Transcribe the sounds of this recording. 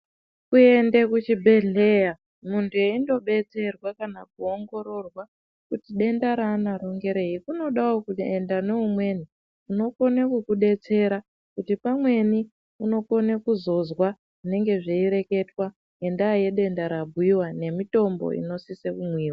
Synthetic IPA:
kue̞nde̞kut͡ʃibʱe̞ɮe̞ja | muntʰueindo̞ɓe̞t͡se̞rwakanak̚uo̞ŋɡo̞ɾo̞rwa | kutiɗe̞ndaɾaːnaɾo̞ŋɡe̞ɾe̞ikuno̞ɗawokuendane̞umwe̞ːni | uno̞ko̞nekukuɗe̞t͡se̞ɾa | kutipamwe̞ni | uno̞ko̞nekuzo̞zwa | une̞ŋɡe̞ʐeiɾe̞ke̞twa | e̞ndaje̞ɗe̞ndaɾab̚ʱuiwane̞mito̞mbo̰ḭno̞sisekumwiːwa

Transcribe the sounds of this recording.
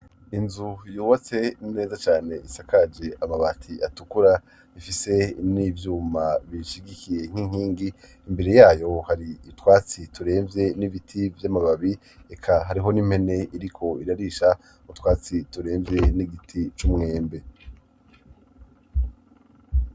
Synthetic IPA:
inzujuːβat͡se̞ne̞ːzat͡ʃaːne̞ʔisakad͡ʒe̞ʔamaβatʰiatukuɾa | ifise̞nivjuːmaβiʃiɡikije̞ŋ̥hiŋ̥hiːŋɡiː | mbe̞ɾe̞jaːjo̞haɾiːtwaːt͡situɾe̞ːmvje̞niβitʰivjamaβaβi | e̞kʰaɦaɾiɦo̞nim̥he̞ne̞ʔiɾikʰo̞iɾaɾiʃa | mutwaːt͡situɾe̞ːmvje̞niɡitʰit͡ʃumŋe̞ːmbe̞

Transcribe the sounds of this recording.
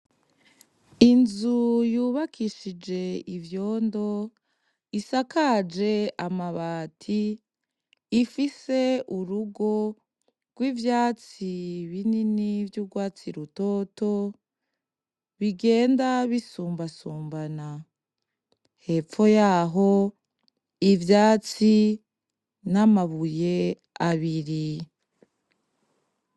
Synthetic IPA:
inzujuːβakiʃid͡ʒe̞ivjo̞ːndo̞ | isakad͡ʒe̞amaβaːtʰi | fise̞uɾuɡo̞ | ɡ̥wiːvjaːt͡siβininivjuːɡwaːt͡siɾuto̞ːto̞ | βiɡe̞ːndaβisuːmbasuːmbana | he̞ːpp͡fo̞jaːɦo̞ | ivjaːt͡si | namaβuje̞ | aβiɾi

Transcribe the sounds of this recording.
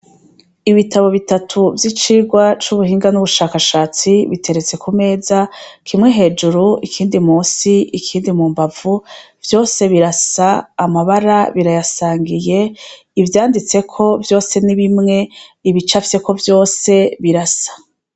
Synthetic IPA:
iβitʰaβo̞βitatʰuvjit͡ʃiːɡwat͡ʃuβuhiːŋɡanuβuʃaːkaʃaːt͡siβitʰe̞ɾe̞t͡se̞kume̞ːzakʰimŋe̞ɦe̞ːd͡ʒuɾuikʰiːndimuːsiʔikʰiːndimuːmbav̥u | vjo̞ːse̞βiɾasaːmaβaɾaβiɾajasaːŋɡije̞ | ivjaːndit͡se̞kʰo̞vjo̞ːse̞niβimŋe̞iβit͡ʃafi̥se̞ko̞vjo̞ːse̞βiɾasḁ

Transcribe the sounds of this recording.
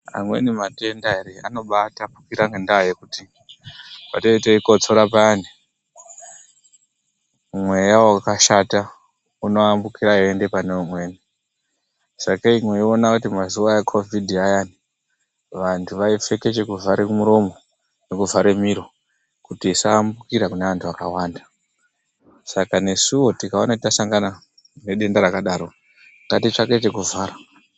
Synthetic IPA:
a̰mwe̞̰nimate̞ndaeɾea̰no̞ɓatapu̥kiɾaŋendaoje̞kuti | patoiteiko̞t͡soɾap̬ani | mwe̞jaakaʃata | uno̞ambukiɾajoende̞pane̞umwe̞ːni | sakaimwe̞ionakutimazuʋajekʰo̞vʱidʱiajani | ʋantʰuʋaife̞ke̞t͡ʃe̞kuvʱaɾekumuɾo̞mo̞ | nekuvʱaɾe̞miɾo̞ | kutiːsaːmbukiɾakuneʋantʰuʋakawaːnda | sakane̞suwo̞tikao̞natitasaŋɡana | ne̞ɗe̞ndaɾakaɗaːɾo̞ | ŋɡatit͡ʂake̞te̞kuvʱaːra

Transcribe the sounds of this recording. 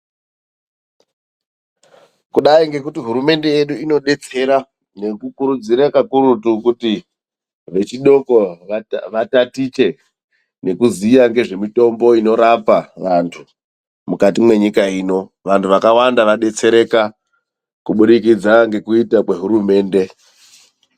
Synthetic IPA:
kuɗaiŋɡe̞kutiɦuɾume̞nde̞je̞ɗuino̞ɗe̞t͡se̞ɾa | nekukuɾud͡ziɾakakuɾutukuti | ʋe̞t͡ʃiɗo̞ko̞ʋatatit͡ʃe̞ | ne̞kuziːjaŋɡe̞ʐe̞mito̞mbo̞ino̞ɾapaʋantʰu | mukatimwe̞ɲikaiːno̞ʋantʰuʋakawandaʋaɗe̞t͡se̞ɾe̞ka | kuɓuɗikid͡zaŋɡe̞kuitakwe̞ɦuɾume̞ːnde̞

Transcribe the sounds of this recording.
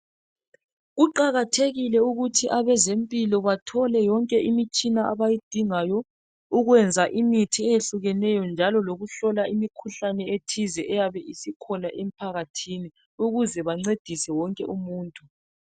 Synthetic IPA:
ɣuǃaɣatʰeɣilɛuɣutʰiʔaβɛzempʼilɔβatʰɔlɛjɔŋkʼɛʔimit͡ʃʼinaʔaβajid̥ʱiŋajɔ | uɣwɛnd͡zʱaʔimitʰiɛjeɬuɣɛnɛjɔnd͡ʒʱalɔloɣuɬɔlaimikʰuɬanɛetʰizɛʔɛjaβɛʔisikʰɔnaʔem̩pʰaɣatʰini | uɣuzɛβaŋ͡ǀed̥ʱisɛwɔŋkʼɛʔumuːntʼu

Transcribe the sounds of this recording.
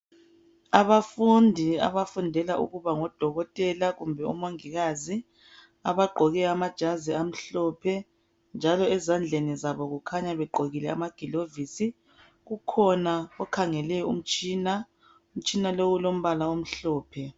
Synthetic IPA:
aβafundʱia̰βafundʱɛlaʔṵɣuβaŋɔd̥ʱɔɣɔtʼɛlaɣumbʱɛṵmoŋiɣazi | a̰βaɡ͡ǃʱɔɣɛamad̥ʒ̥ʱaziam̩ɬɔːpʰɛ | nd͡ʒʱalɔɛzand͡ɮʱenizaβɔɣukʰaɲaβɛɡ͡ǃʱoɣilɛa̰maɡ̥ʱilovisi | ɣukʰɔnaɔkʰaŋɛlɛṵm̩t͡ʃʼiːna | um̩t͡ʃʼinalowulom̩βalaom̩ɬɔːpʰɛ

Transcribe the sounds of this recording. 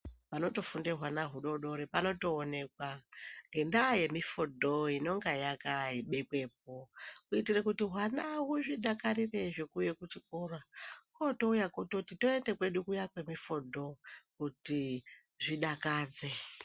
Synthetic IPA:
pano̞to̞fundeɦwanaɦuɗo̞ɗo̞ɾepano̞to̞ːne̞kwaŋɡe̞ndaje̞mifodʱoino̞ŋɡajakaiɓe̞kwe̞p̚okuitirekutiɦwanawuʐiɗakaripe̞ʐekuje̞kut͡ʃikorwakotoujakototito̞endekwe̞ɗukujakwe̞mifodʱo̞kuti | ʐiɗakaːd͡ze̞

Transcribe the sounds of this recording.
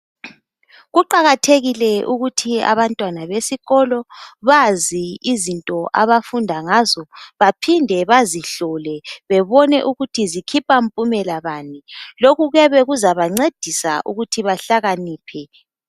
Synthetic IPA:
ɣuǃaɣatʰeɣilɛʔuɣutʰia̰βantʼwanaβesiɣɔlɔβaziizintʼɔʔaβafundʱaŋazɔβapʰindʱɛβaziɬɔlɛβɛβɔnɛʔuɣutʰizikʰipʰʼampʼumɛlaβaːniloɣuɣɛβɛɣuzaβaŋ͡ǀed̥ʱisa̰ʔuɣutʰiβaɬaɣaniːpʰɛ

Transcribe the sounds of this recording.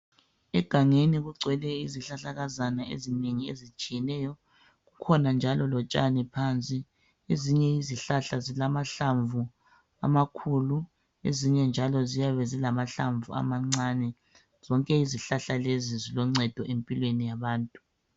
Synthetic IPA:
ɛɡ̥ʱaŋeniɣuǀʱwɛlɛiziɬaɬaɣazanaḛzineŋiḛzit͡ʃʼijɛnɛjɔ | ɣukʰɔnand͡ʒʱalɔlɔt͡ʃʼanɛpʰant͡sʼi | eziɲɛiziɬaɬazilamaɬaɱvu | a̰makʰulu | eziɲɛnd͡ʒʱalɔzijaβɛzilamaɬaɱvua̰maŋ͡ǀaːnɛ | z̥ɔŋkʼɛiziɬaɬalezizilɔŋ͡ǀɛd̥ʱɔʔempʼilwenijaβaːntʼu

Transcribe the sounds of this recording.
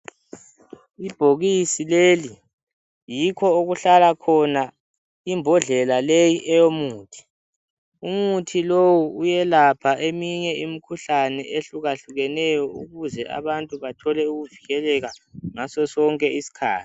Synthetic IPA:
ib̥ʱoɣisileːli | jikʰɔoɣuɬalakʰɔna | imbʱɔɮɛlalejiʔɛjomuːtʰi̥ | umutʰilowuujɛlapʰaʔemiɲɛimikʰuɬanɛ̰ʔeɬuɣaɬuɣɛnɛjɔuɣuzɛa̰βantʼuβatʰɔlɛuɣuviɣɛlɛɣaŋasɔsɔŋkʼɛisi̥kʰa̰ːtʰi̥

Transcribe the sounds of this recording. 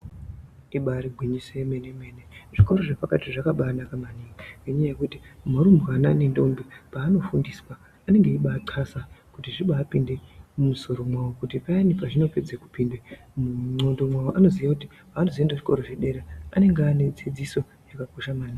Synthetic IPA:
iɓaɾiɡʱwiɲisemeneme̞neʐiko̞ɾo̞ʐepakatiʐakaɓaːnakamaniŋaeɲajaje̞kutimaɾumbuɦananendo̞mbepaːno̞fundiswaː | ne̞ŋɡeiɓaːǀʰasakutiʐiɓaːpinde̞mumuso̞ɾo̞mwawokutipanipaʐino̞ped͡zeku̥piːnde | muo̞ndo̞mwawoʔano̞zijakuti | aːnoziendeʐiko̞ɾoʐeɗe̞ɾea̰ne̞ŋɡeane̞d͡zid͡ziso̞ | jakakoʃamaːna

